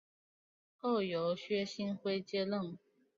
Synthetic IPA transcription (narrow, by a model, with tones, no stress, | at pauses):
o˥˩ʊjo˨˥˦ʊɕɥɛ˥ɕi˥nxwe˥ɪt͡ɕjɛ˥lə˥˨ŋ